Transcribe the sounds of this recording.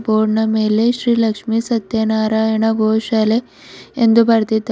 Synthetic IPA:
boːɽɳɐmeleɕɾiːlɐkʂmisɐt̪jɐnaːɾaeɳaɡʱowʃaːle | end̪ubaɾt̪it̪

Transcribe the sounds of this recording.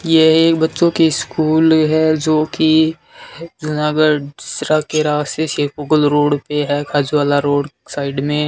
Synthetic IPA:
jeeːkbɐtːʃõkiskuːlɦɛd͡ʒoːki | d͡ʒʊnaːɡəɖɪst̪ɾakeɾaːst̪eʃeːpoɡəlɾoːɽpeɦɛkʰaːd͡ʒuʋaːlaɾoːɽsaːɪɖmẽ

